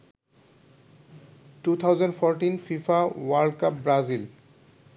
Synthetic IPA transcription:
ʈut̪ʰawzenɖfʰɔɾʈinfifawaɾɖkapbɾazil

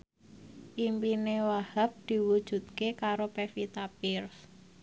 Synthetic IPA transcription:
ʔimpinewahap̚d̪̥i̤wud̥ʒ̥ṳt̪̚kekaɾopefit̪apɪrs

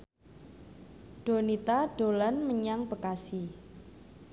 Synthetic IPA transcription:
ɖ̥o̤nit̪aɖ̥o̤lanməɲaŋb̥əkasi

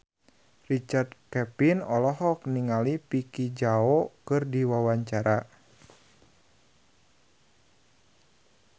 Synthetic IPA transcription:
rit͡ʃard̪kɛpinɔlɔɦɔk̚niŋalipikid͡ʒaokɨrdiwawaɲt͡ʃaɾa

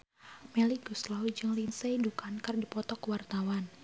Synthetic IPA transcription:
mɛliɡuslawid͡ʒɨŋlinseidukankɨrdipɔt̪ɔkwart̪awan

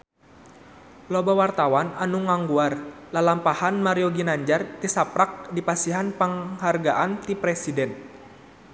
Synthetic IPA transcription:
lobawart̪awananuŋaŋɡuarlalampahanmaɾiɔɡinaɲd͡ʒart̪isapɾak̚dipasiɦanpəŋɦarɡaʔant̪ipɾɛsidɛn

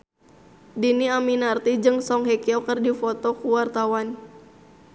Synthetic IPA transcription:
diniaminart̪id͡ʒɨŋsɔŋɦekiɔkərdifɔt̪ɔkuwart̪awan

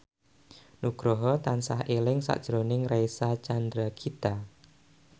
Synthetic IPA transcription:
nuɡ̥ɾɔɦɔt̪ansahelɪŋsa̰ʔd̥ʒ̥ɾonɪŋraisat͡ʃand̪ɾakʰit̪a

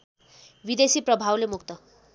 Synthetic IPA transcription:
bid̪esiːprʌbʱawlemukt̪ʌ

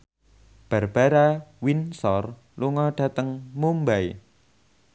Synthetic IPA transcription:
b̥a̤rb̥aɾawinsɔr | luŋɔɖ̥a̤t̪əŋmumbaj

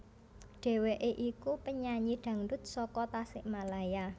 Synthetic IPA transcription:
ɖ̥e̤weʔeʔikupəɲaɲiɖ̥ä̤ŋdʊt̪̚sɔkɔt̪asɪʔmalaja

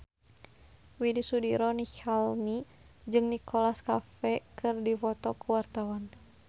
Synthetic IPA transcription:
widisudiɾɔnikalni | d͡ʒɨŋnikʰɔlaskafɛkʰɨrdifɔt̪ɔkuwart̪awan

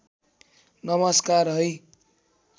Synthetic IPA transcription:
nʌmʌskaɾɦʌj

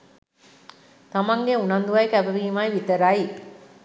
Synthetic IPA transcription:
t̪amaŋɡeunɐnd̪uʋɐjkæbəʋiːmajʋit̪əɾai

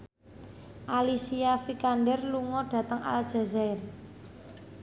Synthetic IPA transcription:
ʔalisiafikanɖɛrluŋɔɖ̥a̤t̪əŋa̰ld̥ʒ̥a̤zaɪr

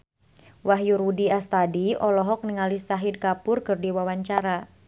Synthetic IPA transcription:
waɦjuɾudiast̪adiɔlɔɦɔk̚niŋalisaɦid̚kapʊrkɨrdiwawaɲt͡ʃaɾa

